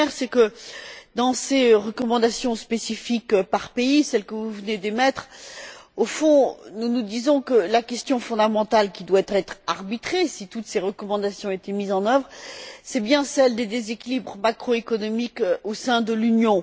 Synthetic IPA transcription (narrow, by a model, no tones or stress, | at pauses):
ɛʁsɛkəd̪ɑ̃seʁəkɔmɑ̃d̪asjɔ̃spesifikpaʁpeisɛlkəvuvəned̪emɛt̪χ | ofɔ̃nunud̪izɔ̃kəlakʲɛst̪jɔ̃fɔ̃d̪amɑ̃t̪alkʲid̪waɛt̪χɛt̪χaʁbit̪χesit̪ut̪seʁəkɔmɑ̃d̪asjɔ̃et̪emizɑ̃nœvʁsɛbjɛ̃sɛld̪ed̪ezekʲilibʁəmakχoekɔnɔmikøosɛ̃d̪əlynjɔ̃